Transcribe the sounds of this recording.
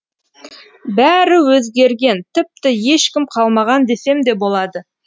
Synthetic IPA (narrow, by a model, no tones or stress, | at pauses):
bæɾɪwɵzɡʲe̞ɾɡʲe̞nt̪ʰɪp̚t̪ɪje̞ʃkʲɪmqʰɑlˠmɑʁɑnd̪e̞se̞md̪e̞bo̞lˠɑd̪ə